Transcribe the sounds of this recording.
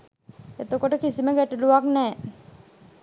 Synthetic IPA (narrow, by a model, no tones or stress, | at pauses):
et̪okoʈəkisiməɡɛʈeluʋaknɛː